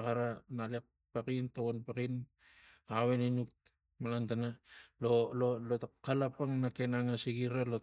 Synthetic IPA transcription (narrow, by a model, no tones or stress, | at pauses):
kaɾanalek̚ | pakintawonpakin | aβeninuk̚malantanalololotakːalapaŋnakenaŋasiɡiɾalo